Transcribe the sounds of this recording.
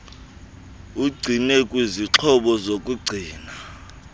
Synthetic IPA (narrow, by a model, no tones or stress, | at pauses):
uɡ͡ǀʱinɛkʼwiziǁʰɔɓɔzokʼuɡ͡ǀʱiːna